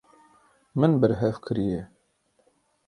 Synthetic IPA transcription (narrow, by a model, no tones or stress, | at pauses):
mɨnbəɾɦɛvkʰɨɾije